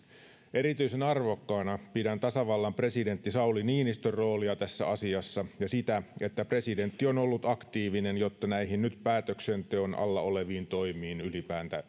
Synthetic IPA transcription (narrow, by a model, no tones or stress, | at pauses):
e̞ɾit̪yisenɑrʋo̞kːɑːnɑpidænt̪ɑsɑʋɑlːɑmpre̞side̞nt̪ːisɑuliniːnist̪ørːo̞ːliɑt̪æsːæɑsiɑsːɑjɑsit̪æe̞t̪ːæpre̞side̞nt̪ːio̞nolːut̪ɑkt̪iːʋinenjo̞t̪ːɑnæihinnyt̪pæːt̪øksent̪eonʔɑ̰lːɑ̰oleʋiːnt̪o̞jmiːnylipæːnt̪æ